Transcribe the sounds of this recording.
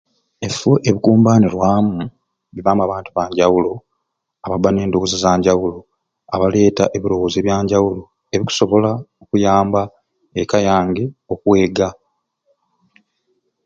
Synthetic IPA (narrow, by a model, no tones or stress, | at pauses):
e̞foʔeβikuːmbaːniɾwaːmu | βiβaːmaβaːntuβaːɲɟawulo | aβabane̞ːndokozizaːɲɟawulo̞ | aβale̞ːta̰ʔe̞βiɾo̞wozeːβjaːɲɟawulo̞ | eβiku̥so̞βo̞laokujaːmba | ekajaːŋɡe̞o̞kwe̞ːɡa